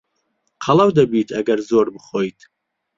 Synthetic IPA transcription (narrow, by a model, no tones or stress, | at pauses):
qʰɐlˠawd̪ɐbiːt̪ʰɐɡɐɾzoːɾbɨχoːit̪ʰ